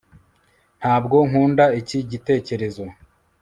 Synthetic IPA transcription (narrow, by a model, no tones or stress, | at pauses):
n̥haːbɡo̞ŋ̥uːndaiciɟite̞ːce̞ɾe̞zo̞